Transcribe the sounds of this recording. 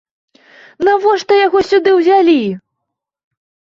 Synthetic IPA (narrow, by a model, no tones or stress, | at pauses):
navɔʂt̪ɔjaɣɔsʲud̪ɨwzʲalʲi